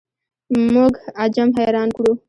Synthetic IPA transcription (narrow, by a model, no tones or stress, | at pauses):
muɡad͡ʒɐmɦejɾɑːnkɽu